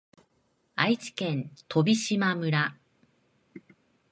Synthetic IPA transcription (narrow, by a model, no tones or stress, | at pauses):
ait͡ɕi̥kẽ̞nt̪ʰo̞bʲiɕimamɯ̟ɾa